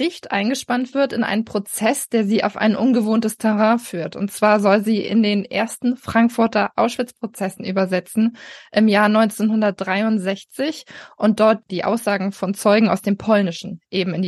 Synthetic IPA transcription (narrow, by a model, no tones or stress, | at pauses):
ʁɪçtʔa̰ɪnɡəʃpantv̥ɪɐtɪnʔa̰ɪnənpʁ̥ot͡sɛsd̥eːɐziːʔa̰ʊfʔa̰ɪnʔʊnɡəvoːntəstʰɛʁãːfyːɐtʊ̰ntt͡sv̥aːɐzɔlziːʔɪ̰ndeːnʔḛːɐstn̩fʁ̥aŋkfʊɐtɐʔaʊsʃv̥ɪt͡spʁ̥ot͡sɛsn̩ʔyːbɐzɛt͡sn̩ʔɪmjaːɐnɔʏnt͡senɦʊndɐt̚d̥ʁaɪʊntz̥ɛçt͡sɪçʔʊnt̚d̥ɔɐt̚d̥iːʔa̰ʊsz̥aːɡŋ̩fɔnt͡sɔʏɡŋ̩a̰ʊsd̥eːmpʰɔlnɪʃn̩ʔeːbm̩ɪnd